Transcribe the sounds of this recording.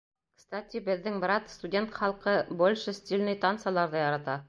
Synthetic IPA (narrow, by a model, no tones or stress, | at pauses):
kst̪at̪ʲibɘ̆ðːɘŋbɾɑt̪st̪udʲe̞nt̪χɑlˠqɤbolʲʃɘsʲt̪ʲilʲnɘjt̪ant̪sɑlˠɑɾðɤjɑɾɑt̪ɑ